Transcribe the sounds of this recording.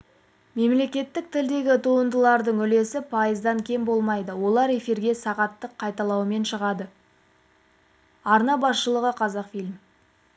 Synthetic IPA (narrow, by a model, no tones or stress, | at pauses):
me̞mle̞kʲe̞t̪ːɪk̚t̪ʰɪld̪e̞ɡʲɪt̪ʰuənd̪əlˠɑɾd̪əɴʏle̞sɪpʰɑjəzd̪ɑŋkʲʰe̞mbo̞lˠmɑjd̪əwo̞lˠɑɾe̞fiɾɡʲe̞sɑʁɑt̪ːəqʰːɑjt̪ɑlˠɑwəme̞nʃəʁɑd̪ə | ɑɾnɑbɑsʃəlˠəʁəqʰɑzɑqfilʲm